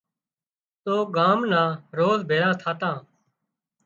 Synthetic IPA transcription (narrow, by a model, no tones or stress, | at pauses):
t̪oːɠaːmnãːɾoːzbʱeːɽãːt̪ʰaːt̪ãː